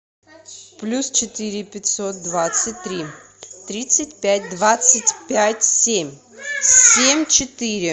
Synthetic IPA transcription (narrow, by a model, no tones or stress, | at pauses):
plʲust͡ɕɪt̪ɨɾʲɪpʲɪt̪ʲsot̪̚d̪vat̪sɨtʲt̪ɾʲi | t̪ɾʲit̪sɨt̚ʲpʲæt̚ʲd̪vat̪sətʲpʲætʲsʲemʲ | sʲemʲt͡ɕɪt̪ɨɾʲɪ